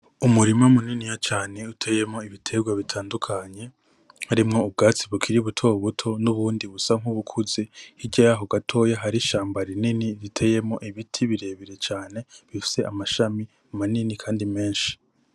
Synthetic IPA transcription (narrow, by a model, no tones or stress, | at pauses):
umuɾimamuninijat͡ʃaːne̞utʰe̞je̞mŋo̞iβitʰe̞ɡwaβitʰaːndukʰaɲe̞ | haɾimŋo̞ubɡaːt͡siβukʰiɾiβutʰo̞βutʰo̞nuβuːndiβusaŋ̥huβukʰuze̞hiɟajaɦo̞ɡatʰo̞jaɦaɾiʃaːmbaɾininiɾitʰe̞je̞mŋo̞̰ʔiβitʰiβiɾe̞ːβiɾe̞t͡ʃaːne̞βifi̥se̞ʔamaʃami | umaninikʰaːndime̞ːnʃi̥